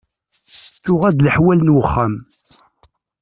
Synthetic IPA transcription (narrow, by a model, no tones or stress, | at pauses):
θʊʁæd̪ləħwælnwəχːæm